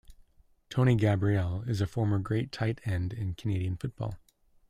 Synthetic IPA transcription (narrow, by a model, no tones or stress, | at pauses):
tʰõʊ̃ɾ̃iɡæbɹiɛlˠɪzɨfɔɹmə˞ɡɹeɪtʰaɪɾɛ̃ndɪ̃nkʰɨneɪɾiɨ̃nfʊt̚b̥ɔ̰lˠ